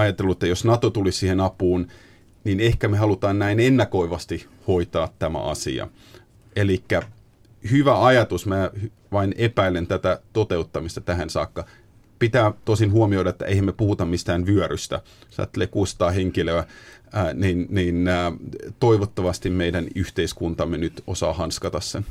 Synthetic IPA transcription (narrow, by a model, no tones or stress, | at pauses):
ɑjɑt̪elːuĕt̪ːæjosnɑt̪ot̪ulissiːhenɑpuːn | ninehkæmehɑlut̪ɑːnnæinenːækoiʋɑst̪i | hoit̪ɑːt̪tæmæ̰ʔɑ̰sḭɑ̰ | elikːæ | hyʋæɑjɑt̪usmæːh | ʋɑinepæilent̪æt̪æt̪ot̪eut̪ːɑmist̪ɑt̪æɦænsɑ̰ːkːɑ | pit̪æːt̪osinhuomioiɾɑet̪ːæ̰ʔeihæmepuhut̪ɑmmist̪æːnʋyœɾyst̪æ̰ | sɑ̰ːt̪ːeleːkust̪ɑːheŋkiløæː | ninninːt̪oiʋot̪ːɑʋɑst̪immeidænyht̪eiskunt̪ɑmːenyt̪osɑ̰ːhɑnskɑt̪ɑssḛn